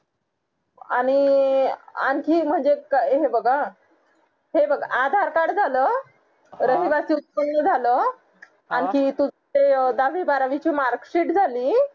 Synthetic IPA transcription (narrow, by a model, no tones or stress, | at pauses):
a̰ɽ̃i | a̰nkiːm̤əɳd͡zekɦebəɡa | ɦebəɡaad̪ʱaɾkaɽd͡zʱaləː | ɾəɦiʋasiutpənləd͡zʱaləː | ankiːt̪u | ed̪aʋibaɾaʋit͡ɕiːmaɾkɕiːʈd͡zʱaliː